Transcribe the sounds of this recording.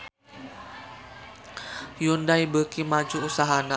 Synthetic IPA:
jundaibəkimad͡ʒuusaɦana

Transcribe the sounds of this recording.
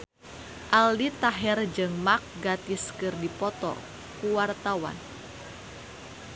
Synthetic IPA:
ʔaldit̪aɦɛrd͡ʒɨŋmak̚ɡat̪iskɨrdipɔt̪ɔ̰ | kuwart̪awa̰n

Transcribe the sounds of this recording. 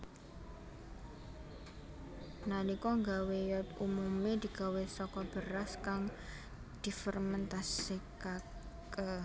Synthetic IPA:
nanikɔŋɡawejɔt̪umumed̪̥i̤ɡ̥a̤wesɔkɔb̥əɾaskaŋ | d̪̥i̤fərmənt̪asikak | ə

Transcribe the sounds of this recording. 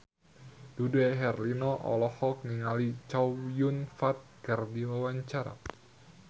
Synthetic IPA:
duduɛɦɛrlinɔʔɔ̰lɔhɔk̚niŋalit͡ʃajunfat̪̚kərdiwawaɲt͡ʃaɾa̰

